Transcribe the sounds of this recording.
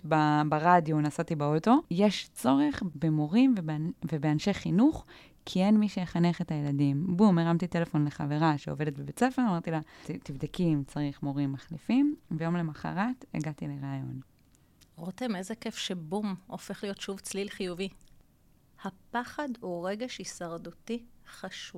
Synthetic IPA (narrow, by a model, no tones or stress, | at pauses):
babaʁadjonasatibaoto̞jeʃt͡so̞ʁe̞χbemo̞ʁimvevebeanʃeχinuχ | kʰie̞nmiʃejeχaneχe̞thajeladimbumeʁamt̪ite̞lefo̞nleχave̞ʁaʃeove̞det̪̚bebet͡sefe̞ʁamaʁt̪ilatt̪ivd̪akimt͡saʁiχmo̞ʁimːaχlifimvejo̞mle̞maχa̰ʁatḛɡatileʁaːjo̞̰n | ʁotemezekefʃebumofeχlijo̞tʃuvt͡slilχijuvi | hapaχaduʁeɡe̞ʃhisaʁdutiχaʃuv